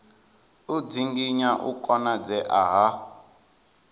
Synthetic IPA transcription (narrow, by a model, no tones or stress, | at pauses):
ud͡ziŋɡiɲaʔṵkʼɔnad͡zɛʔaɦa